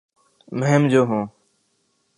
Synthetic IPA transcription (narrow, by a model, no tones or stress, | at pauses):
məɦemd͡ʒoːɦũː